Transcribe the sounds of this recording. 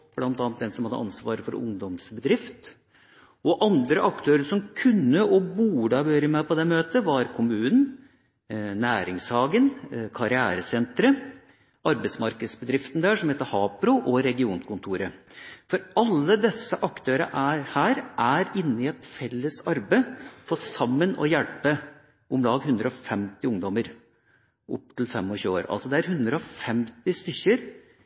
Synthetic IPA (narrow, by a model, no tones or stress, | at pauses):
b̥lɑnt̪ɑːnt̪̚d̪ɛnsɔmhɑd̪əʔɑ̰nsʋɑ̰ːɾəfɔɾʊ̰ŋd̪ɔmsbəd̪ɾɪft̪ | ɔʔɑnd̪ɾəʔɑkt̪ʰøːɾəʂɔmkʰʉnːəɔbuːɖɑʋøːɾəmæpɔd̪ɛmøːt̪əʋɑɾkʰʊmʉːnn̩ | næːɾɪŋshɑːɡənkʰɑɾɪæːɾəsɛnt̪ɾə | ɑɾbəɪtsmɑɾkəd̪sbəd̪ɾɪft̪nd̪æːʂɔmheːt̪əhɑːpɾʊʔɔɾɛɡɪuːnkʰʊnt̪ʰuːɾəfɔɾɑlːəd̪ɛsːəʔɑkt̪ʰøːɾə̰ʔæɾhæːɾʔæɾɪnːəɪɛt̪fɛlːəsɑɾbəfɔsɑmːənɔ̰jælpə | ɔmlɑːɡɦʉnd̪ɾəɔfɛmt̪ɪʊŋd̪ɔməɾ | ʔɔ̰pːt̪ʰɪlfɛmːɔɕʉːo̰ːɾʔɑ̰lsɔd̪ɛæɾɦʉnd̪ɾəɔfɛmt̪ɪst̪ʏçəɾ